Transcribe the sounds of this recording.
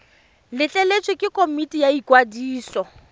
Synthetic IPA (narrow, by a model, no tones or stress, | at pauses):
lɪt͡ɬʼɛlet͡ʃʼɪkʼɪkʼomitʼijaikʼwadiːsɔ